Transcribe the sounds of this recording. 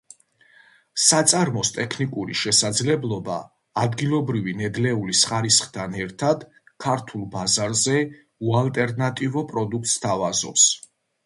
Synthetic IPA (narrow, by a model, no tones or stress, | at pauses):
sat̪sʼaɾmɔst̪ʼɛkʰnikʼuɾḭʃɛsad̪zlɛblˠɔba̰ː | d̪ɡilˠɔbɾivinɛd̪lɛulisχaɾisχt̪ʰanɛɾt̪ʰad̪ | kʰaɾt̪ʰulˠbazaɾzɛ | ualˠt̪ʼɛɾnat̪ʼivɔpʼɾɔd̪uk̚ʰt̪st̪ʰavazɔ̰ps